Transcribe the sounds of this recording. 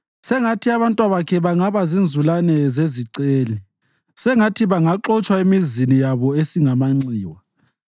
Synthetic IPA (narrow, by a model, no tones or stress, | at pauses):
sɛŋatʰiaβantʼwaβakʰɛβaŋaβazind͡zʱulanɛzeziǀeːli | sɛŋatʰiβaŋaǃɔt͡ʃʼwaemizinijaβɔesiŋamaŋ͡ǀiːwa